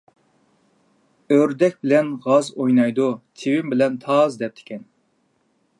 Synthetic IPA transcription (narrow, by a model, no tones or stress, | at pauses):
øɾd̪ɛk̚ʲbɪlɛnʁɑzojnɑjd̪ut̪ʰɪwɪmbɪlɛnt̪ʰɑːzd̪ɛp̚t̪ʰɪ̥kʲʰɛn